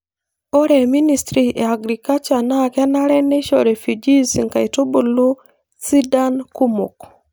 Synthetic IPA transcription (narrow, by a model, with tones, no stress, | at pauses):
o˦ɾɛ˨mi˦ni˦stɾi˨e˨a˨ɡɾika˦t͡ʃa˨na˦˨kɛ˦na˦ɾɛ˦ne˦ʃɔ˨ɾe˨fju˨d͡ʒi˦si˨ŋka˨i˨to˦bu˨lu˦ | si˦da˦nku˦mṵ˨k